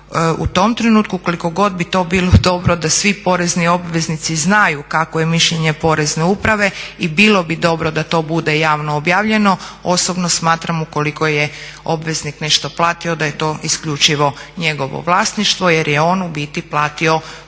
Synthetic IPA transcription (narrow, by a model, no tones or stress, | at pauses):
ʔṵt̪o̞mt̪ɾe̞nuːt̪kuko̞liko̞ɡo̞d̪̚bit̪o̞ːbilˠod̪o̞bɾod̪asʋipo̞ɾe̞znio̞bʋe̞znit̪siznajukakoje̞miʃʎe̞ɲe̞po̞ɾezneupɾaʋe̞ibilo̞bid̪o̞bɾod̪at̪o̞ːbud̪ejaːʋnoːbjaːʋʎe̞no̞osobnosmaːt̪ɾamuko̞liko̞jeo̞bʋe̞znikne̞ʃt̪o̞plˠaːt̪io̞d̪aje̞t̪o̞ːʔiskʎut͡ʃiʋo̞ɲe̞ɡo̞ʋo̰ʋlˠaːsniʃt̪ʋo̞je̞ɾjeo̞nubit̪iplˠaːt̪io̞